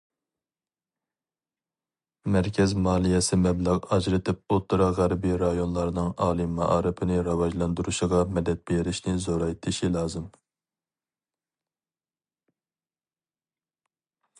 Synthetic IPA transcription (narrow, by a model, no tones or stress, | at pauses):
mɛɾkʲʰɛzmɑːlˠijɛsɪmɛblæʁɑd͡ʒɾɨt̪ʰɪp̚ot̪ʰːɨɾɑʁæɾbiɾɑjonlˠɑɾnɨŋɑːlˠɨmɑʔɑ̰ːɾɨpʰɪnɪɾɑwɑʒlˠɑnd̪uɾuʃiʁɑmɛd̪ɛt̪̚b̥eɾɪʃnɪzoɾɑjt̪ʰɪʃilˠɑːzɨm